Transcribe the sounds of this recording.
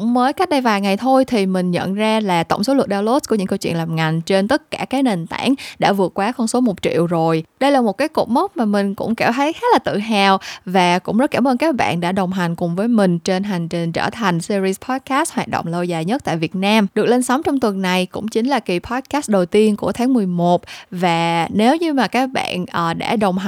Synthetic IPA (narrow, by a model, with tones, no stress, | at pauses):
ʊ˧˥ŋ͡mməː˨˦jka˦˥k̟̚ɗə˧jvaː˨˩jŋa˨˩jt̪ʰo˧jt̪ʰi˨˩mï˨˩ŋ̟ɲə̰˧˨nzaː˧laː˨˩t̪ə̰˧˩wŋ͡mso˨˦lə˨˩ɗaː˧wlo˦˥s̚ku˧˩ɨ̰˧˥ŋkə˧wt͡ɕwḭ˧˨ənlaː˨˩mŋa˨˩jŋ̟t͡ɕe˧nt̪ə˦˥t̚kaː˧˩kaː˨˦jne˨˩nt̪a̰ː˧˩nɗa̰ː˧˥vɨ˨˩ət̚kwaː˨˦xɔ˧nso˨˦mo˨˩t̚t͡ɕḭ˧˨əwzo˨˩jɗə˧jlaː˨˩mo˨˩t̚kaː˨˦jko̰˨˩p̚mə˦˥t̚maː˨˩mï˨˩ŋ̟kʊ̰˧˥ŋ͡mka˧˩wt̪ʰə˨˦jxaː˦˥t̚laː˨˩t̪ɨ̰˧˨ɦaː˨˩wvaː˨˩kʊ̰˧˥ŋ͡mzə˦˥t̚kaː˧˩mʔəː˧nkaː˦˥k̚ɓa̰ː˧˨nɗa̰ː˧˥ɗə˨˩wŋ͡mɦa˨˩jŋ̟kʊ˨˩ŋ͡mvəː˨˦jmï˨˩ŋ̟t͡ɕe˧nɦa˨˩jŋ̟t͡ɕi˨˩ŋ̟t͡ɕə̰ː˧˩t̪ʰa˨˩jŋ̟si˧zi˧spʰɔ˦˥t̚kaː˦˥st̚hwaː˨˩t̚ɗo̰˧˨ŋ͡mlə˧wzaː˨˩jɲə˦˥t̚t̪a̰ː˧˨jvi˨˩ət̚naː˧mɗɨ˨˩ək̚le˧nsɔ˨˦wŋ͡mt͡ɕɔ˧wŋ͡mt̪wə˨˩nːa˨˩jkʊ̰˧˥ŋ͡mt͡ɕï˨˦ŋ̟laː˨˩ki˨˩pʰɔ˨˦˥t̚kaː˦˥st̚ɗə˨˩wt̪i˧ənku˧˩ət̪ʰaː˨˦ŋmɨ˨˩əjmo˨˩t̚vaː˨˩ne˨˦wɲɨ˧maː˨˩kaː˦˥k̚ɓa̰ː˧˨nʔəː˨˩ɗa̰ː˧˥ɗə˨˩wŋ͡mɦ